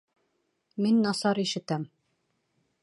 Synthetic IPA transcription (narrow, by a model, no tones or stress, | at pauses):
minːɑsɑɾiʃɘ̆t̪æm